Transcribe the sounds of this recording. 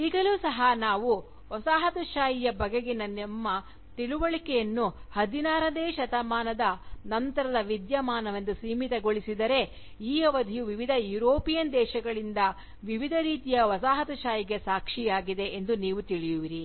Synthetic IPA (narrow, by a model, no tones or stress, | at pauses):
iɡɐluːsɐɦɐnaːʋu | ʋɐsaːɦɐt̪uʃaːjijɐbɐɡeɡenɐnɐmːɐ | t̪iɭuʋɐɭikɛjɐnːuhɐd̪inaːɾɐd̪eːʃɐt̪ɐmaːnɐd̪ɐnɐnt̪ɐɾɐd̪ɐʋid̪jɐmaːnɐʋɐnd̪usiːmit̪ɐɡo̞ɭisid̪ɐɾe̞ | iːɐʋɐd̪ʱijuʋiʋid̪ʱɐjuːɾoːpijɐnd̪ɛːʃɐɡɐɭind̪ɐ | ʋiʋid̪ʱɐɾiːt̪ijɐʋɐsaːɦɐt̪ɐʃaːjiɡe̞saːkʂijaːɡid̪e̞ʔend̪uniːʋut̪iɭijuʋiɾi